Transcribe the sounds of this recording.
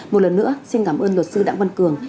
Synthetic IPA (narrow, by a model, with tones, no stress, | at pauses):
mo˨˩t̚lə˨˩nːɨ̰˧˥əsi˧nkaː˧˩mʔəː˧nlo˨˩t̚sɨ˧ɗa̰ː˧˥ŋva˧nkɨ˨˩əŋ